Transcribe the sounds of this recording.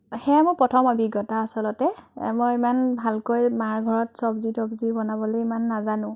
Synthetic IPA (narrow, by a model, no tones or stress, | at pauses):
xɛamʊpɹɔtʰɔmobʱiɡɔtaːsɔlɔtɛmɔjimanbʱalkojmaɹɡʱɔɹɔtsɔbzitɔbzibɔnabɔlojimanːazanʊ̃